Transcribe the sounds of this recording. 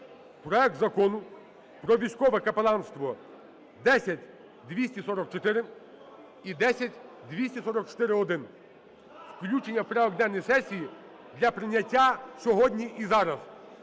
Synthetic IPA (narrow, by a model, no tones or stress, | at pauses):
pɾɔɛk̚t̪zɐkɔnʊ | pɾɔʋʲijsʲkɔʋɛkɐpelˠɑnst̪ʋɔ | d̪ɛsʲɐtʲ | d̪ʋʲisʲtʲisɔɾɔk̚t͡ʃɔt̪ɪɾɪ | id̪ɛsʲɐtʲd̪ʋʲisʲtʲisɔɾɔk̚t͡ʃɔ̥t̪ɪɾɪɔd̪ɪn | wklʲut͡ʃenʲːɐwpɾɛɔɡd̪ɛnːɔjsɛsʲiji | d̪lʲɐpɾɪnʲɐtʲːasʲɔɦɔdʲnʲiʔizɑɾɐz